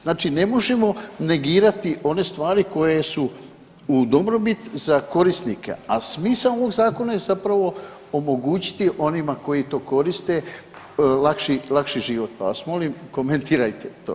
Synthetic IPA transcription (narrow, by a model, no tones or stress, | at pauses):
znaːt͡ʃine̞mo̞ʒemo̞ne̞ɡiːɾat̪iʔo̞ne̞st̪ʋaːɾiko̞jesu | ud̪o̞bɾo̞bit̪zako̞ɾisnikḛa̰smiːsao̞ʋo̞ɡzaːko̞najezapɾaʋo̞ | omo̞ɡuːt͡ɕi̥t̪iʔo̞nimako̞jit̪o̞ːko̞ɾist̪e̞ | lakʃilakʃiʒiʋo̞t̪̚pa̰ʋasmo̞limko̞ment̪iːɾajt̪e̞t̪oː